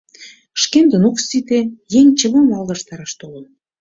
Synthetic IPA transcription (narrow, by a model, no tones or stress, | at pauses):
ʃkend̪ənoksit̪ejeŋʲt͡ɕə̆βɤmɑld̪ɑʃt̪ɑɾɑʃt̪olə̆n